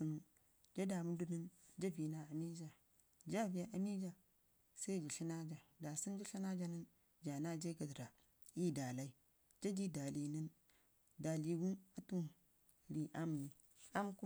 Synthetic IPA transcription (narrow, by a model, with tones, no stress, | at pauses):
i˨n˨ | d͡ʒa˦da˨mu˦du˦ni˦nd͡ʒa˦vi˨na˨a˨mi˦d͡ʒa˨ | d͡ʒa˦vi˨a˨ʔa˨mi˦d͡ʒa˨ | sa˦i˦˨d͡ʒi˨ɬi˦na˦d͡ʒa˨da˨si˦nd͡ʒa˦ɬi˦na˦d͡ʒa˦ni˦n | d͡ʒa˨na˦d͡ʒa˦ka˨dɾa˨ | i˦˨da˨la˦i˦ | d͡ʒa˦d͡ʒi˦da˨li˨ni˦n | da˨li˨ɡu˦a˨tu˦ | ɾi˨ʔa˦m˨ni˨ | a˦mku˦